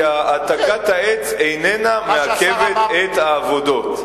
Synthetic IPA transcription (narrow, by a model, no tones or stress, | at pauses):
aataɡathaet͡sejnenameakevet̪et̪haːvo̞do̞t